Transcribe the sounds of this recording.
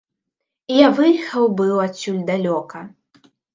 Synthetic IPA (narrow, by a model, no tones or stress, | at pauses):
ijavɨjxɐwbɨwasʲulʲd̪alʲɔkɐ